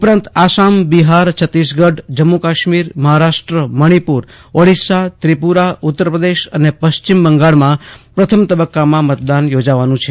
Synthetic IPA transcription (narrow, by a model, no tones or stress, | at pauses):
upɾãnt̪asambiɦaɾt͡ʃʰət̪ːisɡəɖd͡ʒəmːukaʃmiɾməɦaɾaʃʈɾəməɽ̃ipuɾ | oɽisat̪ɾipuɾaut̪ːəɾpɾəd̪eʃənepəʃt͡ʃimbəŋɡaɭmãpɾət̪ʰəmt̪əbəkːamãmət̪d̪anjod͡ʒaʋanũt͡ʃʰe